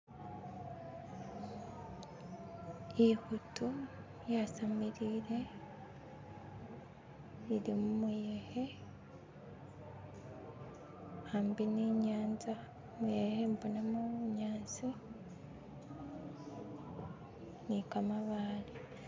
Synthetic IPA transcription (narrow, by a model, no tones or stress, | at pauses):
ihutu | jasamiɾiːɾe̞ | iɾimumujehe | hambiniːɲaːnza | muehembonamuɲaːnzi | nikamaβaːli